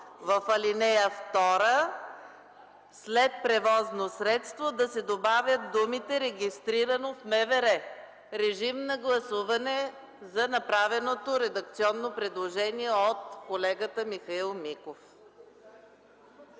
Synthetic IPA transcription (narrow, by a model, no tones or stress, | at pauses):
vɐfɐlinɛjəft̪ɔɾə | slɛt̪̚pɾɛvɔznosɾɛt̪st̪vod̪ɐsɛd̪obavʲjət̪̚d̪umit̪ɛɾɛɡʲist̪ɾiɾənofmɛvɛɾɛ | ɾɛʒimnɐɡlˠɐsuvɐnɛ | zɐnɐpɾavɛnot̪oɾɛd̪ɐk̚t̪siɔnːopɾɛd̪lˠoʒɛniɛot̪kolɛɡət̪əmixɐilˠmikof